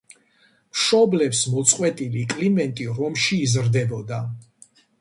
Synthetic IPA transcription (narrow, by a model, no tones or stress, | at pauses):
mʃɔblɛpsmɔt̪sʼqʼwɛt̪ʼilikʼlimɛnt̪ʼiɾɔmʃiːzɾd̪ɛbɔd̪a